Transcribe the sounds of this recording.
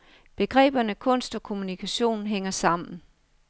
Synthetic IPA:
b̥e̝ɡ̥ʁɛ̰ːb̥ɐnəkʰɔ̽n̰sd̥ɒ̽kʰo̝munikʰæɕo̝̰ːn̩ɦeŋ̰ɐsɑ̈m̰n̩

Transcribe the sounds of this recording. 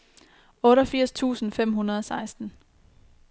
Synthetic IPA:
ɔ̽ːɾɒfiɐ̰st͡sʰṵːsn̩fem̰ɦunɐð̞ˠɒ̽sɑ̈ɪsd̥n̩

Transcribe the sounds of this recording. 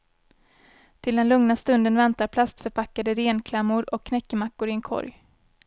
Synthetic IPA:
t̪ʰɪld̪ɛnlɵŋnast̪ɵnd̪ənvɛnt̪aɾpʰlast̪fœɾpʰakːad̪əɾeːnkʰlɛmːʊɾɔkʰːnɛkːəmakːʊɾɪɛnkʰɔ̰ɾj

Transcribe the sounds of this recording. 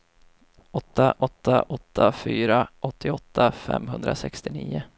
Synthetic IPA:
ɔt̪ːaʔɔt̪ːaʔɔt̪ʰːafyːɾaʔɔt̪ʰːɪɔt̪ʰːafɛ̰mːɦɵnd̪ɾasɛkst̪ɪniːʊ

